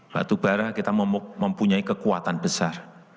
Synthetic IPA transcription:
ba̰t̪ub̥aɾakit̪aməmməmpuɲaikəkuat̪anb̥əsar

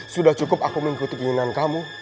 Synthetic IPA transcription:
sudaht͡ʃukʊp̚akuməŋkut̪upiɲuŋankamu

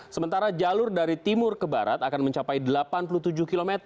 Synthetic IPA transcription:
səmənt̪aɾad͡ʒalʊrdaɾit̪imʊrkəba̰ɾa̰t̪akanməɲt͡ʃapajdəlapanpuluht̪ud͡ʒʊhkilomɛt̪ər

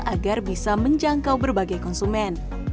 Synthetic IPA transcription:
ʔaɡarbisaməɲd͡ʒaŋkawbərbaɡajkɔnsumɛn

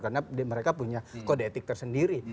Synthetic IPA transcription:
karnadməɾekapuɲakodet̪ɪk̚t̪ərsəndiɾi

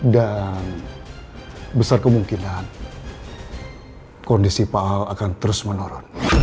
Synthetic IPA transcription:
dan | bəsarkəmuŋkinan | kɔndisipaalakant̪əɾʊsmənoɾɔn

